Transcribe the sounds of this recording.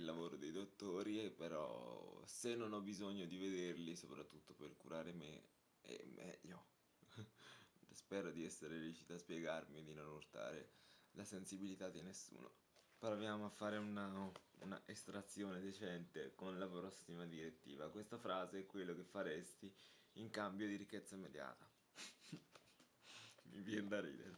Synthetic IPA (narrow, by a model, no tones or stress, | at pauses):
ilːavoːɾod̪ejd̪ot̪ːoːɾiepeɾɔ̰senːonɔbizoɲːod̪ived̪erlisopɾat̪ːut̪ːoperkuɾaːɾemḛ | ɛ̰mːɛ̰ʎːo | spɛːɾod̪iɛsːeɾeɾit͡ʃit̪aspjeɡarmid̪inonurt̪a̰ːɾelasensibilit̪ad̪inesːṵːno̰ | peɾɔavjaːmoafːaːɾeunaṵna̰ʔest̪ɾat̪sːjoːned̪et͡ʃɛnt̪ekonlapɾɔsːimad̪iɾet̪ːḭːvakwest̪afɾaːzeɛkːwelːok̟efːaɾest̪i | iŋkambjod̪iɾikːɛt̪sːaimːed̪ja̰ːt̪a | mḭvjɛnd̪aɾḭːd̪ḛɾe